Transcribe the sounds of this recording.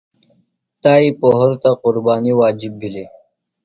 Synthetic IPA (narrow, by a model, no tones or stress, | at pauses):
t̪aːipoɦoɾt̪aqʊɾbɑːniwaːd͡ʒibːili